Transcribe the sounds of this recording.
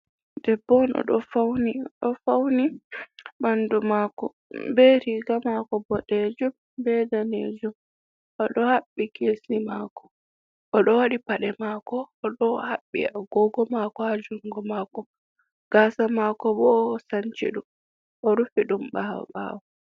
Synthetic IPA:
d̥ɛbːɔnʔɔ̰ɗɔfawniɗɔfawni | mandumaːkɔ | beɾiɡamakɔbɔɗed͡ʒum | bɛdanḛd͡ʒum | ʔɔɗɔhaɓːikeːsimakɔ̥ | ʔɔɗɔwaɗipaɗɛmaːkɔːɗɔhaɓːḭaɡɔɡɔmakɔad͡ʒuŋɡɔmaːkɔ | ɡ̥aːsamakɔbɔːsaɲt͡ʃḭɗum | ʔɔɾufiɗumɓaɔ̰ɓa̰wɔ

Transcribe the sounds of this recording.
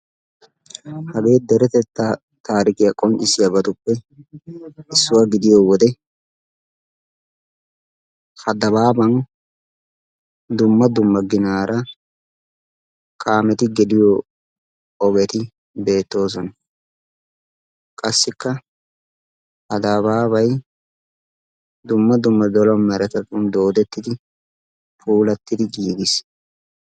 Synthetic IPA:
hɐɡe̞ːd̪ɛɾɛt̪ɛt̪ːa | t̪aːɾɪkɪjɐkʼɔnt͡ʃʼɪsɪjɐbɐt̪ʊpːɛ | ɪsːʊwɐɡɪd̪ɪjowɔd̪ɛ | hɐd̪ɐβaːbɐn | d̪ʊmːɐd̪ʊmːɐɡɪnaːɾʔɐ | kʰʼaːmɛt̪ɪɡɛd̪ɪjo | ɔɡɛt̪ɪ | be̞ːt̪ːo̞ːs̬ɔnɐ | kʼɐsːɪkːɐ | hɐd̪abaːβɐj | d̪ʊmːɐd̪ʊmːɐd̪ɔlɔmɛɾɛt̪ɐt̪und̪o̞ːd̪ɛt̪ːɪd̪ɪ | fʰuːlɐt̪ːɪd̪ɪɡiːɡɪs

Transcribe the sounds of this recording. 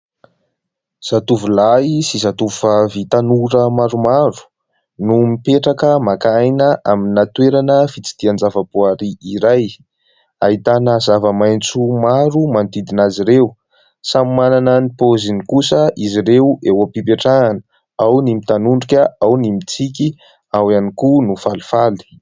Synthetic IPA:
z̥at̪uvulaisizat̪ufəvit̪anuɾəmaɾumaɾu̥ | numipeʈ͡ʂakəmakajnəʔaminat̪weɾanəfit͡si̥d̪̥iand͡zavəpoaɾiiɾaj | ait̪anəzavəmajnt͡sumaɾumant̪id̪inaziɾew | samimananənipozinikusəʔiziɾewewapipeʈ͡ʂaŋanə̥ | awnimit̪anuɳɖ͡ʐukʲəawnimit͡sikʲi | awanikunufalu̥fali̥

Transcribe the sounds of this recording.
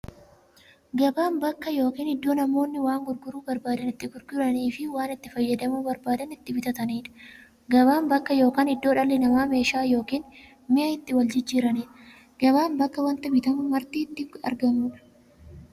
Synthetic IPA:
ɡɐbaːnbɐkːɐjo̞ːkiːnɪd̪ːo̞ːnɐmo̞ːnːɪwaːŋɡʊɾɡʊɾuːbɐɾbaːd̪ɐnɪt̪ːɪɡʊɾɡʊɾɐniːfɪwaːnɪt̪ːɪfɐjːɐd̪ɐmuːbɐɾbaːd̪ɐnɪt̪ːɪbɪt̪ɐt̪ɐniːᶑɐ̥ | ɡɐβaːnbɐkːɐjo̞ːkaːnɪd̪ːo̞ːᶑɐlːɛnɐmaːme̞ːʃaːjo̞ːkiːn | mɪʔɐɪt̪ːɪwɐld͡ʒɪd͡ʒːiːɾɐniːᶑɐ | ɡɐbaːmbɐkːɐwɐnt̪ɐbɪt̪ɐmʊmɐɾt̪iːt̪ːɪɐ̰ɾɡɐmuːᶑɐ̥

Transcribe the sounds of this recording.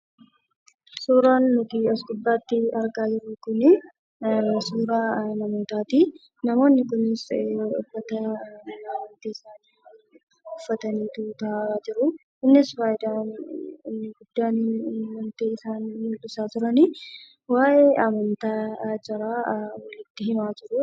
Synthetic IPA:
suːɾaːnːʊt̪iɐsɡʊbːaːt̪ːɪɐɾɡaːd͡ʒɪɾːʊkʊnɪ | suːɾaːnɐmo̞ːt̪aːt̪i | nɐmo̞ːnːɪkʊnːɪsʊfːɐt̪ɐɐmɐnt̪iːɪsaːn | ʊfːɐt̪ɐniːt̪ut̪ɐaːɾaːd͡ʒɪɾʊ | ɪnːɪsfaːjɪd̪aːnɪnːɪɡʊd̪ːaːnwɐnt̪eːɪsaːnːʊᶑʊsaːt̪ʊɾɐni | waːʔeːɐmɐnt̪aːd͡ʒɐɾaːwɐlɪt̪ːɪɦɪmaːd͡ʒɪɾʊ

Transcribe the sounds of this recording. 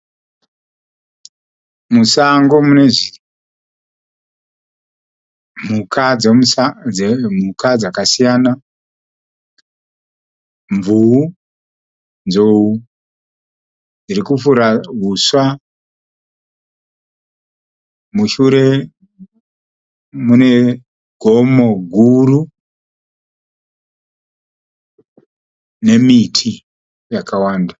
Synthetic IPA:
musaŋɡo̞mune̞ʐi | m̤ukʰa | mukad͡zakasijana | ɱvuu | nzou | d͡zirikufuɾaɦuswa | muʃuɾe̞ | mune̞ | ɡʱomo̞ɡʱuru | ne̞mitʰi | jakawaːnda

